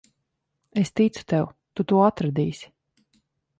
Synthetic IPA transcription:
est̪it̪su̥t̪ɛwt̪ut̪uɔat̪ɾad̪iːsʲi̥

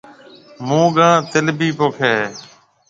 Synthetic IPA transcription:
mũːɡãːt̪ɪlbiːpoːkʰeː

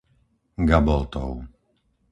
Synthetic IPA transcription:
ɡabɔlt̪ɔ̰ʊ

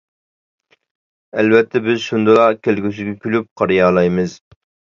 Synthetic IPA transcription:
ɛlvɛt̪ʰːɛbɪzʃund̪ɨlˠɑkʲʰelɡʲys̬yɡʲɛkʲʰylyp̚qʰɑɾijɑːlˠɑjmɨz

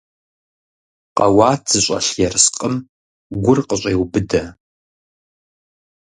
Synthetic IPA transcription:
qɐwaːtʰz̥ɨɕʷʼɐ̰ɬjɛrɨsqʼəm | ɡʷʊrqəɕʼeːwbɨdɐ

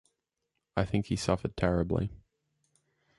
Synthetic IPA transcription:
aɪθɪ̃ŋkhisʌfəd̚tʰɛɹɨblḭ

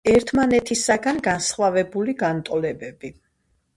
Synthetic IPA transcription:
ɛɾt̪ʰmanɛt̪ʰisaɡanɡansχwavɛbuliɡant̪ʼɔlɛbɛbi

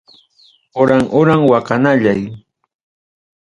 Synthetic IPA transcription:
ʊɾaŋʔʊɾaŋwakanaʎaj

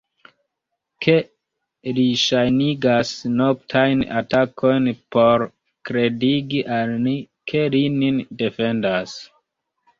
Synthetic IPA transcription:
kʰe̞ | liʃajniɡasno̞k̚tʰajna̰takʰo̞jnpo̞ɾ | kɾe̞diɡiʔalni | kʰe̞lininde̞fe̞ndas

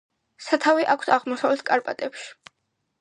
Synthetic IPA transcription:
sat̪ʰaviʔakʷʰsaʁmɔsavlɛt̪̚ʰkʼaɾpʼa̰t̪ʼɛpʃi̥

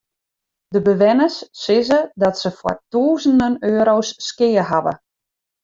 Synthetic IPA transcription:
dəbəʋɪnəsːɪzədɔtsəfwɔ̰rtuːzəndənøːɾowsːkɪːəɦaʋə̰

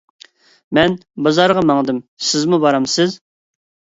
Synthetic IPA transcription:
mɛnbɑzɑɾʁɑmɑŋd̪ɨmsɪzmubɑɾɑmsɪz

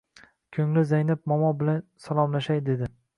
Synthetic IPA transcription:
kʲʰɵŋlɪzajnɪp̚mɒmɒbɪlansalˠɒmlaʃajd̪e̞d̪ɪ

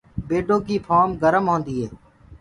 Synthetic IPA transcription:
beːɖõːkiːpʰaːmɡəɾəmɦõːnd̪iːɦeː

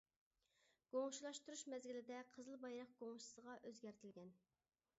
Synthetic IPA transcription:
ɡ̥oŋʃulˠɑʃt̪uɾuʃmɛzɡʲilɪd̪ɛqʰəzɨlˠbɑjɾɑq̚ɡ̥oŋʃi̥səʁɑʔøzɡʲɛɾt̪ʰɪlɡʲɛn

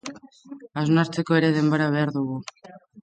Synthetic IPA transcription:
aznaɾt͡se̞ko̞e̞ɾe̞ð̞e̞mboɾaβ̞e̞aɾðuɣu

